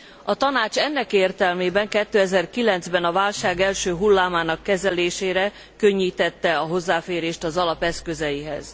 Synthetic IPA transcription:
ɒt̪ɒnaːt͡ʃɛnːɛkeːrt̪ɛlmeːbɛŋkɛt̪ːøːɛzɛrkilɛnzbɛnɒvaːlʃaːɡɛlʃøːɦulːaːmaːnɒkːɛzɛleːʃeːɾɛ | kø̞ɲːiːt̪ɛt̪ːɛɒɦo̞zːaːfeːɾeːʃt̪ɒzɒlɒpɛskø̞zɛjiɦɛ̰z̥

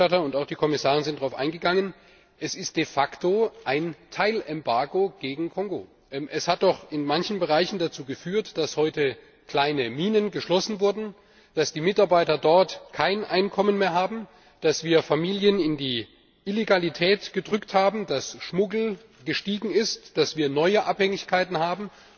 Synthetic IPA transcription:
atɐʊntaʊxd̥iːkʰɔmɪsaːʁ̞ənzɪnd̥ʁaʊfʔa̰ɪnɡəɡaŋən | ʔɛsɪst̚d̥efaktoʔaɪntʰaɪlɛmbaɐɡoɡ̥eːɡŋ̩kʰɔŋɡo | ʔʔɛshat̚d̥ɔχɪnmançn̩bəʁaɪçn̩dat͡suːɡəfyːɐtd̥ashɔʏtə | kl̥aɪnəmiːnənɡəʃlɔsn̩vʊɐdn̩ | d̥asd̥iːmɪtaɐbaɪtɐdɔɐtkʰaɪnʔa̰ɪnkʰɔmənmeːɐɦaːbm̩ | d̥asv̥iːɐfamiːljənɪndiː | ʔileɡalitʰɛːtɡ̥ədʁʏkthaːbm̩dasʃmʊɡl̩ | ɡ̥əʃtiːɡŋ̩ɪstd̥asv̥iːɐnɔʏəʔaphɛŋɪçkʰaɪtn̩haːbm̩

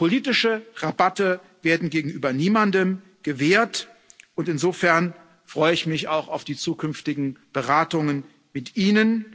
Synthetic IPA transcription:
pʰoliːtɪʃəʁabatə | veːɐdn̩ɡeːɡŋ̩ʔyːbɐniːmandəm | ɡ̥əveːɐt | ʊntɪnzoːfɛɐn | fʁ̥ɔʏəɪçmɪçaʊxaʊfd̥iːt͡suːkʰʏnftɪɡŋ̩b̥əʁaːtʊŋən | mɪtʔiːnən

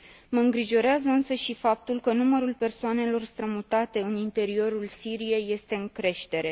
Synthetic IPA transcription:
məɨŋɡɾiʒo̞ɾeazəɨnsəʃifap̚t̪ulkənuməɾulpe̞rsoane̞lo̞rst̪ɾəmut̪at̪e̞ɨnint̪e̞ɾio̞ɾulsiɾije̞je̞st̪e̞ɨŋkɾe̞ʃt̪e̞ɾe̞

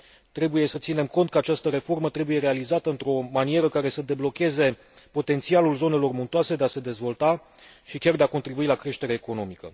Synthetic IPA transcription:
t̪ɾe̞buje̞sət̪sine̞mko̞nt̪̚kəat͡ʃast̪əɾe̞fo̞rmət̪ɾe̞buje̞ɾe̞alizat̪əɨnt̪ɾo̞manie̞ɾəkaɾe̞səd̪e̞blo̞kʲe̞ze̞ | po̞t̪e̞nt̪sialulzo̞ne̞lo̞rmunt̪oase̞d̪e̞ase̞d̪e̞zvo̞lt̪a | ʃikʲard̪e̞ako̞nt̪ɾibuilakɾe̞ʃt̪e̞ɾeːko̞no̞mikə̰

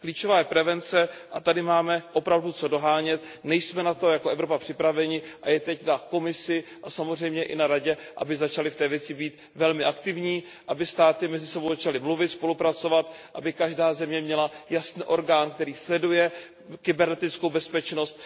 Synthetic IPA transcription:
kliːt͡ʃovaːjɛpɾɛvɛnt͡sɛʔat̪adɪmaːmɛʔo̞pɾavdut͡so̞do̞ɦaːɲɛt̪nɛjsmɛnat̪o̞jakoɛvɾo̞papr̝̥ɪpɾavɛɲɪʔajɛt̪ɛcnako̞mɪsɪʔasamozr̝ɛjmɲɛʔɪ̰naɾaɟɛʔa̰bɪzat͡ʃalɪft̪ɛːvjɛt͡sɪbiːt̪ | vɛlmɪʔakt̪ɪvɲiː | ʔabɪst̪aːt̪ɪmɛzɪsɛbowzat͡ʃalɪmluvɪt̪spo̞lupɾat͡so̞vat̪ʔabɪkaʒdaːzɛmɲɛmɲɛlajasniːʔo̞ɾɡaːnkt̪ɛɾiːslɛdujɛ | kɪbɛɾnɛt̪ɪt͡skowbɛspɛt͡ʃno̞st̪̚

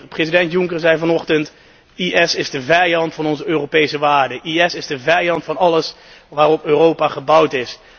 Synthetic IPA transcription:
prezidɛntjʊŋkəɹzɛjvɑnɔχtənt | iʔɛsɪzdəvɛjɑntfɑnɔnzəøːrowpejsəʋaːɹdəʔiɛsɪzdəvɛjɑntfɑnɑləs | ʋaːrɔpøːrowpaːχəbʌwtɪs

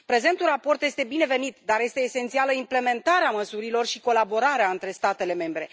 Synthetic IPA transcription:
pɾe̞ze̞nt̪urapo̞rt̪jest̪e̞bine̞ve̞nit̪d̪aɾje̞st̪eːsent̪sialəimple̞me̞nt̪aɾeaməsuɾilo̞rʃiko̞labo̞ɾaɾeaɨnt̪ɾe̞st̪at̪e̞le̞me̞mbɾe̞

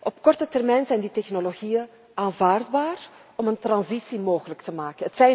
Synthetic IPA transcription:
ʔɔpkɔrtətɛrmɛjnzɛjnditɛxnoloɣijən | aːnvaːrdbaːr | ɔməntrɑnzisimoːɣələktəmaːkənətsɛj

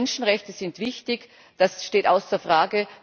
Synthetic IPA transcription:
nʃn̩ʁɛçtəz̥ɪntv̥ɪçtɪç | d̥asʃteːta̰ʊsd̥eːɐfʁ̥aːɡə

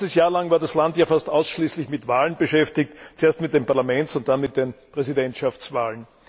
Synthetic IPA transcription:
təsjaːɐlaŋvaːɐdaslantjaːfastaʊsʃliːslɪçmɪtvaːlənbəʃɛftɪk̚tt͡sueːɐstmɪt̚d̥eːnpaɐlamɛnt͡sʊnt̚d̥anmɪt̚d̥eːnpʁ̥ɛzidɛntʃaft͡svaːlən

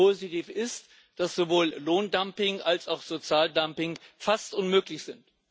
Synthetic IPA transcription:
oːzitiːfɪst | d̥asz̥ovoːlloːndampɪŋalsaʊxz̥ot͡sjaːldampɪŋfastʔʊnmøːklɪçz̥ɪnt

